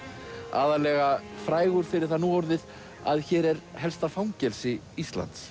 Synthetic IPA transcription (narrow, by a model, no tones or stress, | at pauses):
a̰ːðaɾlɛːɣafɾaːjɣʏɾ̥fɪɾɪɾ̥θanuːɔwɾðɪð | a̰ðçɛːɾɛɾɦɛlst̪afawŋcɛlsɪ | ist̪la̰nt̪s